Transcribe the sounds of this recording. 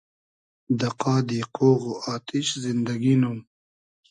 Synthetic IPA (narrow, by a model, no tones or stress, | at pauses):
d̪ɐqɑːd̪iqoːɣoɑːt̪ɪʃzɪnd̪aɡinum